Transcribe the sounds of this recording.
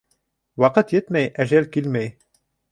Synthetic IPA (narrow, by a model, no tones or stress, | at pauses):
wɑqət̪jet̪mæjʔæʒælkilmæj